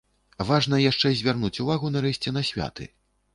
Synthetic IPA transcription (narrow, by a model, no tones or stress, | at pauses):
vaʐnɐjaʂt͡ʂɛzʲvʲarnut͡sʲuvaɣunɐɾɛɕʲt͡sʲɛnɐsʲvʲa̰t̪ɨ̰